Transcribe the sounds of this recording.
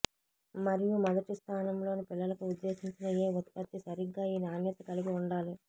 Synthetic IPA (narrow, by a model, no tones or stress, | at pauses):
mɐɾijumɐd̪ɐʈist̪ʰaːnɐmlo̞ːnipilːɐlɐkuud̪ːe̞ːsiɲt͡ʃinɐjeːʋut̪pɐt̪ːisɐɾiɡːaːiːniaːnjɐt̪ɐkɐliɡiuɳɖaːli